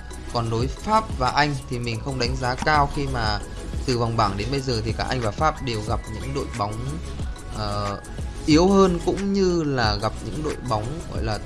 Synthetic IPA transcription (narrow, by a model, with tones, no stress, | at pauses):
kɔ˨˩nɗo˨˦jfaː˦˥p̚vaː˨˩ʔa˧jŋ̟t̪ʰi˨˩mï˨˩ŋ̟xə˧wŋ͡mɗa˨˦jŋ̟zaː˨˦kaː˧wxi˧maː˨˩ | t̪ɨ˨˩va˨˩wŋ͡mɓaː˧˩ŋɗe˨˦nɓə˧jzəː˨˩t̪ʰi˨˩kaː˧˩ʔa˧jŋ̟vaː˨˩faː˦˥p̚ɗe˨˩wɣa˨˩p̚ɲɨ̰˧˥ŋɗo̰˧˨jɓa˨˦wŋ͡m | ʔəː˨˩ | ʔi˨˦əwhəː˧nkʊ̰˧˥ŋ͡mɲɨ˧laː˨˩ɣa˨˩p̚ɲɨ̰˧˥ŋɗo̰˧˨jɓa˨˦wŋ͡mɣɔ̰˧˨jlaː˨˩